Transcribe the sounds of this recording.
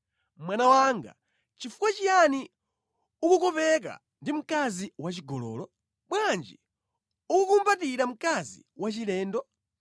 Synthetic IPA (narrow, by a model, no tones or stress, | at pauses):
mwanawaŋɡa̰ | t͡ʃifukwat͡ʃijani | ukukɔpɛk̬a̰ | ndim̩kaziwat͡ʃiɡɔlɔ̰ːlɔ | ɓwand͡ʒi | ukukumbatiɾam̩kazḭwat͡ʃilɛːndɔ